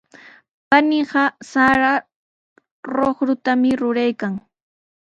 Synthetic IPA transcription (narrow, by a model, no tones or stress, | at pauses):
paniɢɑsaɾa | ɾoχɾʊt̪amɪɾʊɾajkaŋ